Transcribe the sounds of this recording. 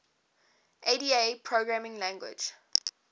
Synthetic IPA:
ʔediepʰɹoɡɹamɪ̃ŋlãŋɡwɪ̰d͡ʒ

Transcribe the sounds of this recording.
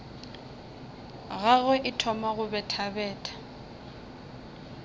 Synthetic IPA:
ɣaɣɔʔɪtʰɔmaɣʊbɛtʰabɛːtʼḁ

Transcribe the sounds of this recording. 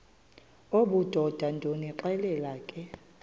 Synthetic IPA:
oɓud̥ʱɔd̥ʱandʱoniǃɛlɛlaːkʼɛ

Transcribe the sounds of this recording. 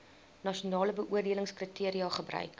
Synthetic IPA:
nɑʃiunɑːləbəʔuərdiələŋskritiəɾiɑχəbrœ̰ɥk

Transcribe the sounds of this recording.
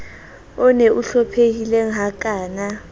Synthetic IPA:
ɔneʔuɬɔpʰekilɛŋɦak̬ʼaːna

